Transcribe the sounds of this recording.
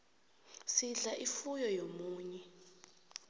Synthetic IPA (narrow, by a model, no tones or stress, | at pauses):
siɮaʔifujɔjomuːɲɛ